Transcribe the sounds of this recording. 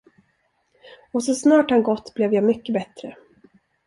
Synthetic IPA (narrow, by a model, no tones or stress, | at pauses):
ɔsɔsnɑːʈhanɡɔt̪ːblɛvjamʏkːəbɛt̪ɾə